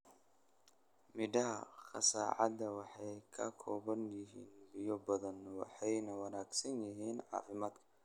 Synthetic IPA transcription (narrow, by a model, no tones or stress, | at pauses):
mɪd̪ɐɦɐ̰qɑ̰sa̰ːʕɑ̰d̪ɐwɑħɑjkʰɐkʰɔːβɐnjɪɦḭːnbɪjɔbɐðɐnwɑ̰ħɑjnɐwɐnaːɡsɐnjɪɦiːnʕɑ̰ːfɪmaːd̪kʰɐ̥